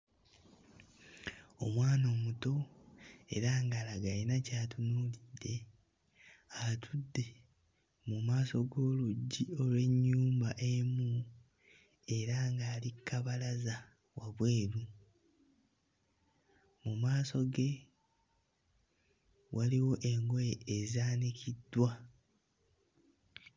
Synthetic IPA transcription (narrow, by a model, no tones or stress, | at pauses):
o̞̰mwaːno̞ːmuto̞ | e̞̰ɾaːŋɡaːlaɡainacaːtunuːlidːe̞ | atʰudːe̞ | mumaːso̞ɡo̞ːluɟːio̞lwe̞ɲːuːmbaʔe̞mu | e̞ɾaŋɡaːlikːaβalaza | waβwe̞ːɾu | mumaːso̞ɡe̞ | wʔaliwo̞ʔe̞ŋɡweːzaːnikʰidːwa